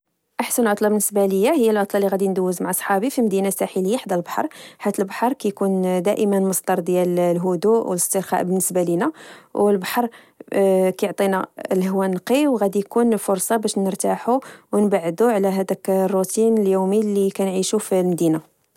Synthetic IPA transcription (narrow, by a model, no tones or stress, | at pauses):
ʔaħsənlʕot̪ˤlɑbənːəsbæləjːahəjːælʕʊt̪ˤlɑlːiɣæd̪ind̪uwːəzmaʕʔɑsˤħɑbifilmæd̪inasæħiləjːaħd̪ælbɑ̥ħɑ̰ɾˤħat̪ːəlbħɑɾˤkæjkund̪æʔəmənməsˤd̪ɑɾˤd̪jællɦʊd̪uʔwələst̪əɾxɑ̰ʔbənːəsbælinæwəlbɑħɑɾˤ | kæjoʕt̪ˤinæləhwænqiwɣæd̪ijkunfʊɾsˤɑbæʃnəɾt̪aħuwnbaʕd̪uʕlæɦæd̪ækrˤːut̪ʰinəljumilikænʕiʃufilmd̪ina